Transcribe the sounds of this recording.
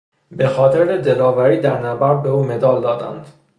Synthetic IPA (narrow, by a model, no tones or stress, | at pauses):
bexɒːt̪ʰeɾed̪elɒːvæɾiːd̪æɾnæbæɾ̚beuːme̞d̪ɒːld̪ɒːd̪æ̰nd̪̥